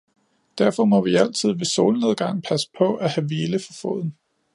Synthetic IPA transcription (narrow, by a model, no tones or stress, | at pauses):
d̥æɐ̰fɒ̽mɒ̽ʋiæl̰t͡sʰið̰ˠʋe̝so̝̰ːlne̝ðˠɡ̥ɑ̈ŋ̰pʰæsə̥pʰɒ̽ʔæhæʋeːləfɒfɔ̰̽ð̞̰ˠn̩